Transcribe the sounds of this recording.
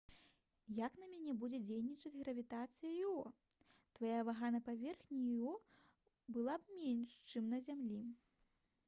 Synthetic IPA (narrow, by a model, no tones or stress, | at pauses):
jaknɐmʲanʲɛbud͡zʲɛd͡zʲejnʲit͡ʂɐt͡sʲɣɾɐvʲit̪at̪sɨjɐjɔ | t̪vajavaɣanɐpavʲɛrxnʲijɔ | bɨlˠabmʲɛnʲʂt͡ʂɨmnɐzʲamlʲi